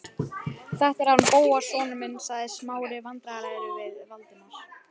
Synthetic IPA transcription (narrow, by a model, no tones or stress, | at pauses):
θaht̪ɛɾ̥hanːpoːwasɔːnʏmɪnːsaɣðɪsmaːwɾɪvant̪ɾalaːjɾʏvɪðvalt̪ɪnːaɾ̥